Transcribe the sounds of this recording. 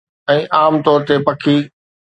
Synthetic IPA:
ɛ̃ːʔaːmt̪ɔːɾt̪epɐkʰi

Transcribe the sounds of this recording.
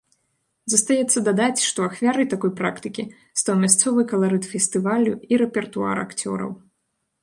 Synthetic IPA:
zɐst̪ajɛt̪sːɐd̪ad̪at͡sʲʂt̪ɔaxvʲaɾɨjt̪akɔjpɾakt̪ɨkʲi | st̪awmʲast̪sɔvɨkɐlˠaɾɨt̪fʲɛsʲt̪ɨvalʲuiɾɛpʲɛrt̪ua̰ɾa̰kt͡sʲɔ̰ɾɐ̰w

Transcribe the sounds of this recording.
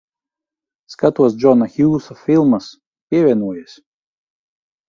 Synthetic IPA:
skɐt̪uɔsd͡ʒɔnɐxʲiusɔfʲɪlˠmɐs | pʲiɛʋʲɛnuɔjɛsʲ

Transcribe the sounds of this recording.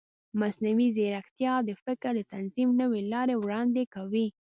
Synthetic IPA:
masnawizeɾaxt̪jɑd̪əfɪkɾd̪ət̪anzimnəwelɑɾewɽɑnd̪ekawi

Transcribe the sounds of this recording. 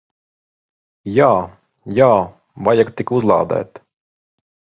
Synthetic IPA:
jaː | jaː | vajakt̪ikuzlˠɑ̰ːd̪æ̰ːt̪

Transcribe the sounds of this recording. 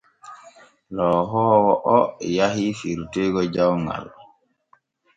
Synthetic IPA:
lɔɦɔːwɔʔɔjaɦifiɾtɛɡɔd͡ʒawŋɡa̰l

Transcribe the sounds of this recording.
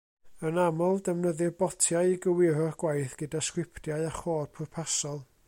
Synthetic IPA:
ənamɔlˠdɛmnəðɨrbɔtʰjaɨiɡəwɪɾɔrɡ̥wajθɡ̥ədaskwɪpʰtjaɨaχoːrpʰʊrpʰasɔlˠ

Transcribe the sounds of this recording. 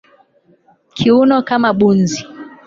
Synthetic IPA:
kʰiunɔkamaɓunzi

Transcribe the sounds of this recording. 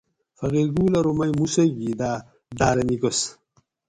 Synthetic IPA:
fɐɣeɾɡuːlɐɾumɐjmusɐɡid̪aː | d̪aːɾɐniɡos

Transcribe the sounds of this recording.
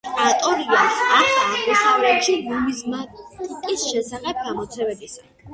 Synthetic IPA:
t̪ʼɾat̪ʼɔɾiasaχʰakʰɛsavɾɛpʃilumizmat̪ʼisʃɛsaχɛb̚ɡamɔt̪sʰɛvɛbisa

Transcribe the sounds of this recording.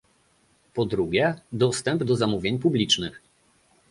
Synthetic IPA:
pɔd̪ɾuɡʲjɛd̪ɔst̪ɛmbd̪ɔzamuvʲjeɲpublʲit͡ʂnɘx

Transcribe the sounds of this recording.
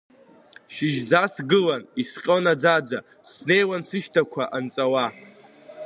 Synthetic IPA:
ʃɪʒd͡zasɡɨlanisqʲʼonad͡zad͡za | sne̞jwansɨʃtʰakʷʰaʔant͡sʼawa

